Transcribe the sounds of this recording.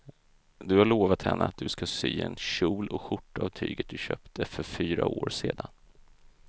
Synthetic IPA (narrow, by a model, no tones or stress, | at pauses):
d̪ɵhaɭoːvat̪hɛnːəat̪̚d̪ɵskasyːɛnɕuːlʔɔkɧʊʈːavt̪ʰyːɡət̪̚d̪ɵɕøːpt̪ɛftœɾfyːɾa̰oːɾseːd̪an